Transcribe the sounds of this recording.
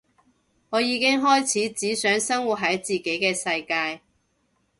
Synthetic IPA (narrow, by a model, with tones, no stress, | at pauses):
ŋɔː˨˧jiː˨˧kɪ˥ŋɦɔː˥jt͡sʰiː˨˥t͡siː˨˥sœː˨˥ŋsɐ˥ŋwu˨˩t̚ɦɐ˨˥jt͡siː˨˩ke˨˥jkɛː˧sɐ˧jkaː˧j